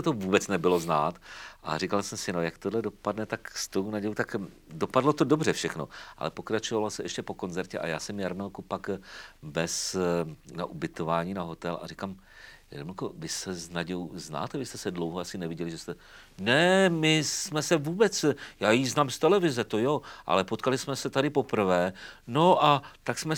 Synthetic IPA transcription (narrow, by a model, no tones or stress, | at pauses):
t̪ovuːbɛt͡snɛbɪlo̞znaːt̪ʔa̰rikalsɛmsɪno̞jakt̪odlɛdo̞padnɛt̪akst̪ownaɟɛjot̪ak | dopadlo̞t̪odo̞br̝ɛfʃɛxno̞̰ʔa̰lɛpo̞kɾat͡ʃovalosɛʔɛʃcɛpo̞ko̞nzɛɾcɛʔa̰jaːsɛmjaɾmɛlkupakvɛs | na̰ʔubɪt̪o̞vaːɲiːnaɦo̞t̪ɛlʔa̰rikaːm | ja̰dmlkovɪsɛznaɟɛuzna̰ːt̪ɛvɪst̪ɛsɛdlo̞wɦoasɪnɛvɪɟɛlɪʒɛst̪ɛ | nɛmɪsmɛsɛvuːbɛt͡sjaːjiznaːmst̪ɛlɛvɪzɛt̪o̞joʔa̰lɛpot̪kalɪsmɛsɛt̪adɪpo̞pr̩vɛːno̞ʔat̪aksmɛ